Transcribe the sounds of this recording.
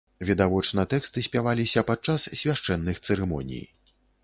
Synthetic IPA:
vʲid̪avɔt͡ʂnɐt̪ɛkst̪ɨsʲpʲavalʲisʲɐpat̪̚t͡ʂassʲvʲaʂt͡ʂɛnːɨxt̪sɨɾɛmɔ̰nʲḭj

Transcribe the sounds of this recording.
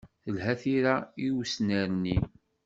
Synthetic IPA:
θəlɦæθiɾaiwsnæɾni

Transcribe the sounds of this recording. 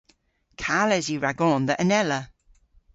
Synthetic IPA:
kʰaːlɛziɹaɡɔːnðəʔənɛlə

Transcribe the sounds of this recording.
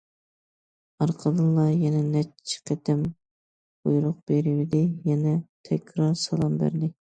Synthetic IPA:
ɑɾqʰəd̪ɨlˠlɑjɛnɛnɛt͡ʃʰːi̥qʰɛt̪ʰɛm | bojɾʊq̚b̥eɾɪwɪd̪ɪjɛnɛt̪ʰɛkʲʰɾɑɾsɑlˠɑmbæ̰ɾd̪ɪ

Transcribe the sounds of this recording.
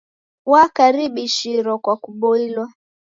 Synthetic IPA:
wakaɾiɓiʃiɾɔkwakuɓɔilwa

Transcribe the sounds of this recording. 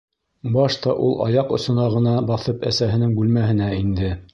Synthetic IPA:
bɑʃt̪ɑʔulˠʔɑ̰jɑqŏsɤ̆nɑʁɤ̆nɑbɑθɤpæsæɦɘ̆nɘŋbʉlmæɦɘ̆næind̪ɘ

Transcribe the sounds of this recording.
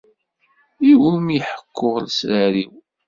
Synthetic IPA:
iwulmiħə̥kʰːʊʁəlsɾaɾiw

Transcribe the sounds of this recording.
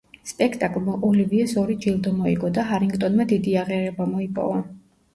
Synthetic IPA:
spʼɛkʰt̪ʼakʼlˠmaʔɔliviɛsɔɾid͡ʒilˠd̪ɔmɔḭɡɔd̪aɦaɾiŋɡt̪ʼɔnmad̪id̪iaʁɛaɾɛbamɔipʼɔ̰va

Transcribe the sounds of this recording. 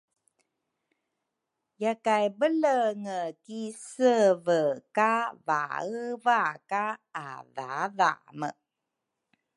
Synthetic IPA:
jakajbələŋəkisəvəkava̰əvaka̰ːva̰va̰mə̰

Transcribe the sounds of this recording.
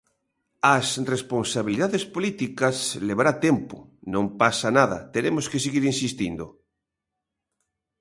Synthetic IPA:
asresponsaβiliðaðespolit̪ikasleβ̞aɾat̪empo̰nõmpasanaðɐ̰t̪eɾemoskeseɣiɾinsist̪ind̪o

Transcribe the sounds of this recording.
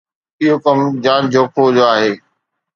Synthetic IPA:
ɪɦokɐmd͡ʑaːnd͡ʑoːkʰod͡ʑoaːɦeː

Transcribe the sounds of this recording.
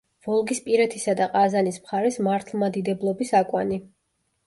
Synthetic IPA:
v̥ɔlˠɡispʼiɾɛt̪ʰisad̪aqʼazanismχaɾɛsmaɾt̪ʰlˠmad̪id̪ɛblˠɔbisakʼwani

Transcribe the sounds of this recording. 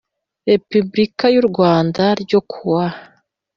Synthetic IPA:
ɾe̞pybɾikajuɾɡwaːndaɾɟo̞kʰuwa

